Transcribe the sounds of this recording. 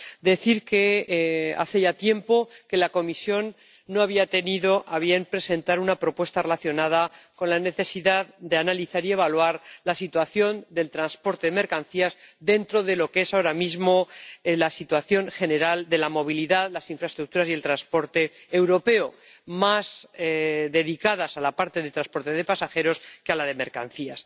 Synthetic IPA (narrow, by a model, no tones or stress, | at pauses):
d̪e̞θiɾke̞ | a̰θe̞ʝat̪je̞mpo̞ke̞lako̞misjo̞nː | o̞aβiat̪e̞niðo̞ʔaβ̞je̞mpɾe̞sẽ̞nt̪aɾunapɾo̞pwe̞st̪are̞laθjo̞nað̞ako̞nlane̞θe̞siðaðd̪eanaliθaɾie̞βalwaɾlasit̪waθjo̞nd̪e̞lt̪ɾanspo̞ɾt̪e̞ðeme̞ɾkanθiazðe̞nt̪ɾo̞ðe̞lo̞keesaoɾamizmo̞lasit̪waθjo̞ŋxe̞ne̞ɾald̪e̞lamo̞β̞iliðaðlasiɱfɾaest̪ɾuk̚t̪uɾasie̞lt̪ɾanspo̞ɾt̪e̞ːwɾo̞pe̞o | mas | ðe̞ðikaðasalapaɾt̪e̞ðet̪ɾaspo̞ɾt̪e̞ðe̞pasaxe̞ɾo̞skealaðe̞me̞ɾka̰n̟θias